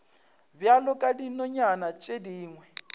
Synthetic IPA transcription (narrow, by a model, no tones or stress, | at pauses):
bjalɔkʼadinɔɲanat͡ʃʼediːŋwɛ